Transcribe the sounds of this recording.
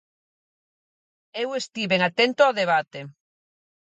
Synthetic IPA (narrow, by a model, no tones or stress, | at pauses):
ewest̪iβeŋat̪ent̪oaðeβ̞at̪e